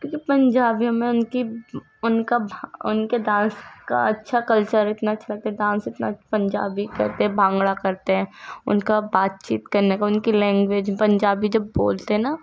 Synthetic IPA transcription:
kjõːkipɐ̃ɲd͡ʒaːbijõmẽʊnki | ʊnkabʱʊnkedãːnska̰ɐtːʃʰakɐlt͡ʃəɾɪt̪naɐtːʃʰalɐɡ̚t̪aɦɛdãːsɪt̪napɐ̃ɲd͡ʒa̰ːbikɐ̰ɾt̪eɦɛ̃bʱãːŋɡɽakɐɾt̪eɦɛ̃ːʊ̰nkabaːt̪̚t͡ʃḭːt̪kɐɾnekaʊnkilɛ̃ːŋɡʋeːd͡ʒpɐ̃ɲd͡ʒaːbid͡ʒɐbːoːlt̪eɦɛna

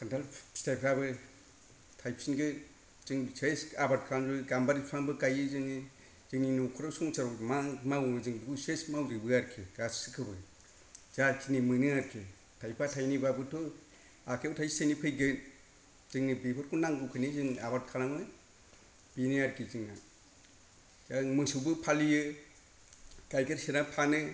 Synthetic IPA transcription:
kʰantʰalstʰajpʰɾabɯ | tʰajp̚sinɡɯ | z̥ɯŋsesabat̚kʰalaŋzɔɡambaɾipʰaŋbɯkajɯzɯŋi | zɯŋninukʰɔɾasuŋsaɾɔmamawɯzɯŋduɡusesmawɾɯbɯaɾkʰiɡassɯkʰɯbɯ | zaɾkʰinimɯnɯaɾkʰi | tʰajpʰatʰajnibabɯtʰɔ | akʰewtʰajsejnipʰɯjɡɯn | z̥ɯŋnɯbipʰɯɾkʰunaŋɡukʰɯnizɯŋabat̚kʰalamɯ | b̥iniaɾkʰizɯŋna | zaŋmɯsubɯpʰalijɯ | ɡ̥ajɡɯɾsenapʰanɯ

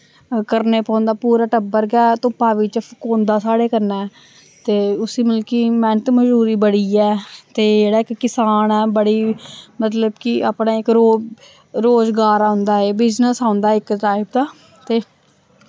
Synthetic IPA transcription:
kəɾneːpãːnd̪aːpuːɾaːʈəbəɾɡɛːt̪ʊ̃paːʋiːt͡ʃəfkõːnd̪aːsaːɽeːkəɾnaːɛː | t̪eːʊsiːmɪlkiːmɛ̃ɳt̪məd͡ʒuːɾiːbəɽiːɛːt̪eːd͡ʒeːɽaːɪkːɪsaːnɛːbəɽiːmət̪ləbkɪʔa̰ːpɳaːɪkɾoː | ɾoːzɡaːɾaːʊnd̪aːeːbɪznəsãːnd̪aːɪkʈaːɪb̚t̪aː | t̪eː

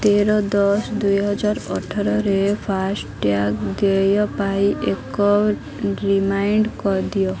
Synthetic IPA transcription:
t̪eɾɔd̪ɔsd̪ujɦɔd͡ʒaɾɔʈʰaɾɔɾepʰasʈʈjakd̪ejɔpaiʔekɔ | ɾimajɳɖkɔɾd̪ijɔ

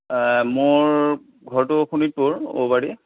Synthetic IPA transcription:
moɹ | ɡʱɔɹtʊxʰunit̚poɹo̰baɹi

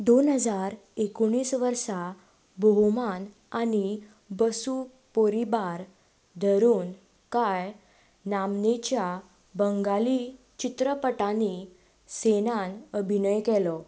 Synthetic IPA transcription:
d̪onɦəd͡zaɾekoɽ̃iːsʋəɾsa | bʱoɦman | ani | bəsu | poɾibaɾ | d̪ʱəɾuːn | kaj | namnet͡ɕja | bəŋɡali | t͡ɕit̪ɾəpəʈani | senanəbʱinəjkɛlɔ

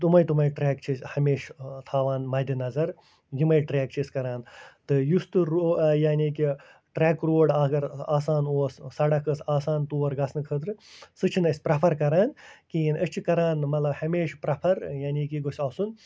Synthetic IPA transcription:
t̪umɐjt̪umɐjʈɾɛːkt͡ʃʰisʲhɐmeːʃt̪ʰaːʋaːnmɐːd̪inɐzɐɾ | jimɐjʈɾɛːkt͡ʃʰiskɐɾaːnt̪ɨjust̪ɨɾojaːniːki | ʈɾɛːkɾoːɽaːɡɐɾaːsaːnoːssɐɽɐkɨsaːsaːnt̪uːʋɐɾɡɐsʰnɨkʰəːt̪̬ɾɨsɨt͡ʃʰinɐsʲpɾɐpʰɐɾkɐɾaːnkiinʔət͡ʃʰikɐɾaːnmɐt̪lɐbhɐmeːʃpɾɐpʰɐɾjaːnʲiːkiɡosʲaːsun

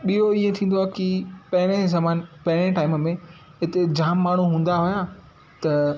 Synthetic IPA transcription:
ɓioiẽt̪ʰĩːn̆d̪oaːkipɐ̃ɦɪɽ̃ezɐmaːnpɐ̃ɦɪɽ̃ẽʈaːɪməmẽ | ɦɪt̪ed͡ʑaːmːaːɳ̤uɦũːn̆d̪aɦʊjaː | t̪ɐ

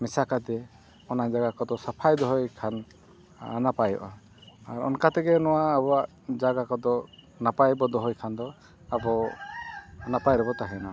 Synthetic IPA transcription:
misakad̪ɛ | ɔnad͡ʒaɡakɔd̪ɔsapʰajd̪ɔɦɔjkʰan | napajɔ̰ʔa̰ | aɾɔ̰nkat̪ɛɡɛnɔwaːbɔaʔ | d͡ʒaɡakɔd̪ɔ | napajbɔd̪ɔɦɔjkʰand̪ɔ | abɔ | napajɾɔbɔt̪aɦɛna

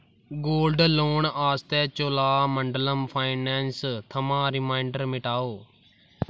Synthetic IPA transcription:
ɡoːlɖloːɳaːst̪ɛːt͡ʃoːlaːməɳɖələmpʰaːɪnɛːnst̪ʰəmãːɾɪmaːɪɳɖəɾmɪʈaːoː

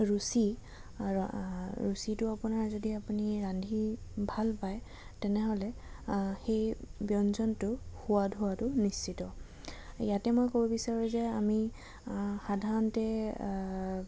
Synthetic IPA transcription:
ɹusi | ɹusitʊapʊnaɹzodiapuniɹandʱibʱalpaj | tɛnɛɦolɛ | xejbjɔnzɔntʊxuadʱʊwatʊnist͡ʃitɔ | jatɛmojkobɔbisaɹuzɛami | xadʱaɹɔntɛ

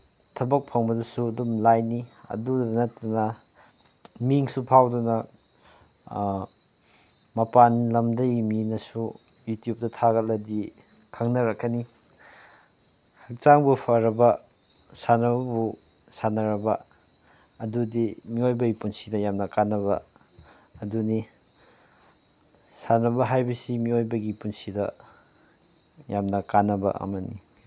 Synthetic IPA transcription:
tʰɐbɐk̚pʰɐŋbɐdɐsuɐdumlajniɐ̰dudɐnɐtːɐnɐ | miŋsupʰawdunɐ | mɐpanlɐmdɐjminɐsu | jutjup̚tɐtʰaɡɐt̚lɐdi | kʰaŋnɐɾɐkʰːɐni | hɐk̚t͡ʃaŋbupʰaɾɐbɐ | sanɐbɐbu | sanɐɾɐbɐ | ɐdudimiojbɐɡipunsidɐjamnɐkanːɐβɐ̰ː | duni | sanɐbɐɦajbɐsimiojbɐɡipunsidɐ | jamnɐkanːɐbɐ̰ɐ̰mɐnḭ

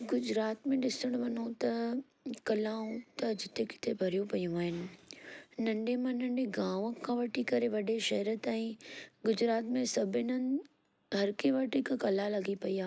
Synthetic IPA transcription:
ɡʊd͡ʑɾaːt̪mẽɗɪsəɽ̃ʊʋɐn̤õt̪ɐ | kɐlaːũt̪ɐd͡ʑɪt̪ekɪ̥t̪ebʱɐɾijõpɐjũaːɦɪnɪ̆ | nɐ̃ɳɖemãnɐ̃ɳɖeɡãːʋəkʰãʋɐʈʰikɐɾeʋɐɗeʃɐɦɾət̪ãːĩɡʊd͡ʑɾaːt̪mẽsɐbʱɪnənɪ̆ | ɦɐɾkeʋaːʈikãkɐlalɐɡipɐiaː

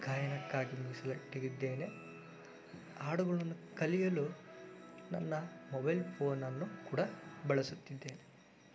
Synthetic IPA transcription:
ɡaːjɐnɐkːaːɡimuɡisɐlɐʈːiɡid̪ːe̞ːne̞ | aːɽuɡɐɭɐnːukɐlijɐlu | nɐ̰nːɐmɔbɐjlpʰo̞ːnɐnːukuːɽɐbɐɭɐsut̪ːid̪ːe̞ːne

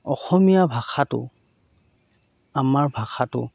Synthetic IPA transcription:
ɔ̰xɔmijabʱaxatʊ̰ | amaɹbʱaxʰatʊ̰

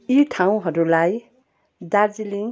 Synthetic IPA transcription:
iʈʰaw̃ɦʌɾulaj | d̪ard͡ziliŋ

